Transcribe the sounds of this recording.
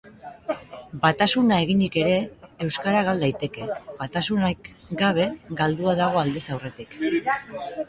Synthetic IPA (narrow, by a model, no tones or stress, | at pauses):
bat̪asunae̞ɣ̞ind̪ike̞ɾe̞ːwskaɾaɣ̞ald̪ajt̪e̞ke̞bat̪asunakɡaβ̞e̞ɡald̪uaðaɣ̞o̞ald̪e̞sawre̞t̪ik